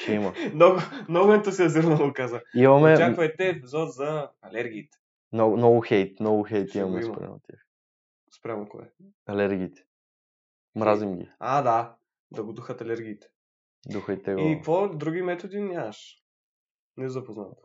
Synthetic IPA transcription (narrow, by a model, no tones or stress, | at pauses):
imɐnɔɡʊnɐmomɛnt̪əsiɐziɾnɐlokazəimɐmɛjaoɛt̪ɛpizɔt̪zɐɐlɛɾɡʲiːt̪ɛ̥ | nɔɡnɔɡʊxɛjt̪nɔɡʊxɛjt̪imɐmɛspɾʲa̰mo̰t̪ʲja̰x | spɾʲamoko̰ɛ̰ | ɐlɛɾɡʲiːt̪ɛ̥ | mɾazimɡʲḭad̪a | d̪ɐɡʊd̪uxət̪ɐlɛɾɡʲiːt̪ɛ̥ | d̪uxəjt̪ɛɡikvɔd̪ɾuɡ̟ʲimɛt̪od̪inʲaɐʃ | nɛzɐpoznat̪